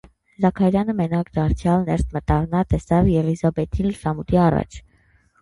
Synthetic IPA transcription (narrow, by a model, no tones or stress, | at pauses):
zɑkʰɑɾjɑnəmɛnɑkd̪ɑɾt͡sʰjɑlnɛɾt̪ʰmət̪ɑɾnɑt̪ɛsɑvjɛʁizɑbɛt̪ʰinlsɑmut̪iɑrɑ̰t͡ʃʰ